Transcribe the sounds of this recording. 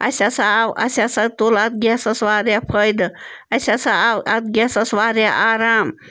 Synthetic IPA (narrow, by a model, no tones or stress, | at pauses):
ɐ̰sʲasawɐ̰sʲasɐt̪olat̪̚ɡʲasɐsʋaːɾjapʰəjd̪ɐsʲasaɐt̪ɡʲasɐsʋaːɾjaʔaːɾaːm